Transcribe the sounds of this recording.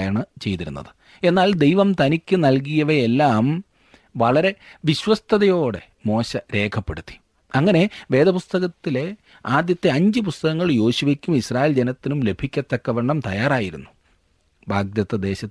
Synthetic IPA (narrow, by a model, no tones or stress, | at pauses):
jaɳɨt͡ɕe̞jt̪iɾṵnːɐ̰ðɨ | e̞nːaːld̪e̞jʋɐmt̪ɐnikʲːɨnɐlk̬ijɐʋɐjelːaːm | ʋɐɭɐɾe̞ʋiɕwɐst̪ʰɐðɐjo̞ːɽe̞̰ | mo̞ːɕɐɾe̞ːkʰɐpːe̞̰ɽut̪ːi̥ | ɐŋːɐne̞ʋe̞ːd̪ɐpust̪ɐɣɐt̪ːile̞ | aːd̪jɐt̪ːe̞ɐɲd͡ʑɨpust̪ɐɣɐŋːɐɭjo̞ːɕiʋekʲːumisraːjeld͡ʑenɐt̪ːinumle̞bʱikʲːɐt̪ːɐkːɐʋeɳɖɐmt̪ɐjaːraːjiɾṵnːu | bʱaːɡ̚d̪jɐt̪ːɐd̪e̞ːɕɐ